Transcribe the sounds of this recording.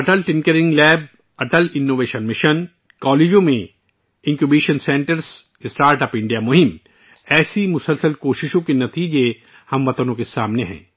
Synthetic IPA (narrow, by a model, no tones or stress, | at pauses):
ɐʈəlʈɪ̃ŋkəɾɪ̃ŋɡlɛːb̚ | ɐʈəlɪnːoːʋeːʃənmɪʃən | kɔːleːd͡ʒõmẽ | ɪ̃ŋkjubiːʃənsɛ̃ːɳʈəɾs | ɪsʈaːɾʈɐːpɪ̃ɳɖijamʊɦɪm | ɛːsimʊsəlsəlkoːʃɪʃõkenɐt̪iːd͡ʒe | hɐmʋɐt̪ənõkesaːmneɦɛ̰̃ː